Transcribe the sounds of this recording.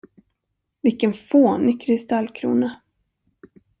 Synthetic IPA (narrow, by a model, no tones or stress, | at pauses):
vɪkːənfoːnɪkʰɾɪst̪alkʰɾṵːna